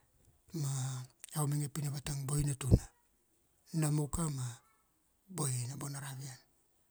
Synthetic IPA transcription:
maawmeŋepinaβataŋbo̞jnatuna | namukama | bo̞jnabo̞naɾaβian

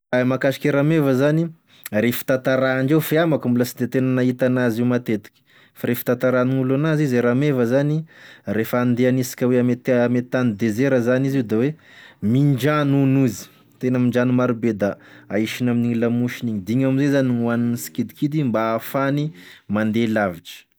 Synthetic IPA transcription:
amakaʃi̥kʲeɾamevəzani | ɾefi̥t̪at̪aɾaːɳd͡ʒewfeamakumbulasid̪et̪enənaɦit̪anazimat̪et̪i̥kʲi̥ | faɾefi̥t̪at̪aɾaniŋulanazizeɾamevəzaniɾefəːnd̪eanisi̥kʲəweamet̪amet̪anid̪ezeɾəzanizid̪awe | mind͡ʒanunuzi̥ | t̪enəmiɳd͡ʒanimaɾubed̪aaiʃinaminiɲilamuʃiniɲid̪iɲamizezaniwaninisi̥kid̪ikid̪imbaːfanimand̪elaviʈ͡ʂə̥

